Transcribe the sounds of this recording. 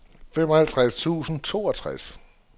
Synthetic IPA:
femɒhælt͡sʰʁast͡sʰṵːsn̩t͡sʰo̝ːɒt͡sʰʁas

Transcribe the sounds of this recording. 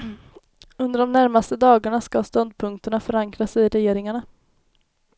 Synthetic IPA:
ɵnd̪əɖɔmnæɾmast̪əd̪ɑːɡaɳaskast̪ɔnd̪̚pʰɵŋk̚t̪əɳafœɾaŋkɾasɪɾɛjeːɾɪŋaɳa

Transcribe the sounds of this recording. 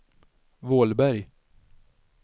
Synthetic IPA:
voːlbæɾj

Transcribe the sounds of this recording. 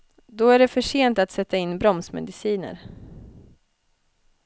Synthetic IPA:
d̪ɔæɖɛfœʂeːnt̪at̪sɛt̪ːaɪnːbɾɔmsmɛ̰d̪ɪsiːnə̰ɾ

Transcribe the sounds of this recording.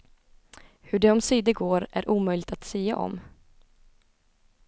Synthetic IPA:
hɵɖɛɔmsiːd̪əɡoːɾæɾʔuːmœjlɪɡt̪at̪siːa̰ʔɔ̰m

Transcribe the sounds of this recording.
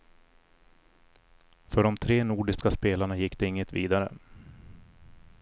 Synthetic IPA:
fœɖɔmt̪ʰɾeːnuːɖɪskaspeːlaɳajɪkːd̪ɛɪŋːət̪viːd̪aɾə̰

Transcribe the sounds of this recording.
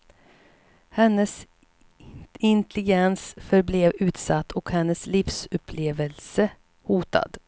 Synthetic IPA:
hɛnːəs | ɪnt̪ɛlɪɡɛnsfœɾbleːvʉ̟ːt̪sat̪ːɔkhɛnːəslɪfsɵpʰleːvəlsə | huːt̪a̰d̪̥

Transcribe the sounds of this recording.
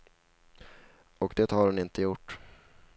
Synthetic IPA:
ɔkd̪eːt̪haɾhʊnɪnt̪əjʊʈː

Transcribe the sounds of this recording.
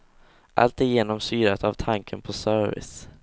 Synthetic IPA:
ʔa̰lt̪ɪjeːnɔmsyːɾat̪avt̪ʰaŋkʰənpʰɔsœɾvɪ̰s

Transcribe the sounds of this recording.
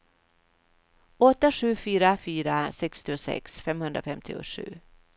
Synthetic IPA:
ɔt̪ːaɧʉ̟ːfyːɾafyːɾasɛkst̪ɪʊsɛ̰ksfɛmhɵnd̪ɾa̰fɛmt̪ʰɪ̰ʊ̰ʂʉ̟̰ː

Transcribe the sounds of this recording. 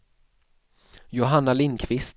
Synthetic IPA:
jʊɦanːalɪnkʰvɪst̪

